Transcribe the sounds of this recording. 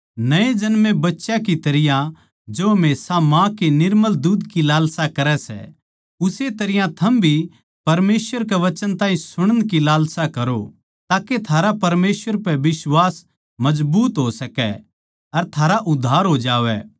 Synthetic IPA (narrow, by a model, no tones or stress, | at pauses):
nɐẽd͡ʒɐnmẽbɐtːʃãkit̪ɐɾɪjã | d͡ʒomeːsamãkenɪɾməld̪uːd̪kilaːlsakɐɾɛsɛ̰ | ʊset̪ɐɾɪjãt̪ʰɐmbʱi | pɐɾmeːsʋəɾkɛʋɐt͡ʃənt̪ãːɦĩsʊɽ̃ənkilaːlsakɐɾo | t̪aːket̪ʰaːɾapɐɾmeːsʋəɾpɛʋɪswaːs | mɐd͡ʒbuːt̪ɦosɐkɛ̰ | ɐɾt̪ʰaːɾaʔʊd̪ʱːaːɾɦoːd͡ʒaːʋɛ̰